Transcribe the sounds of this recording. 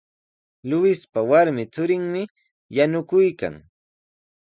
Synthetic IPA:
lʊwɪspawaɾmɪt͡sʊɾɪŋmɪ | janʊkʊjka̰ŋ

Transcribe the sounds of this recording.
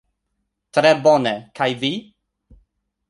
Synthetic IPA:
tʰɾɛbɔnɛkʰajviː

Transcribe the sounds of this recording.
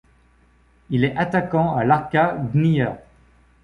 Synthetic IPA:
ilɛʔat̪akɑ̃alaʁkaɡnijœʁ

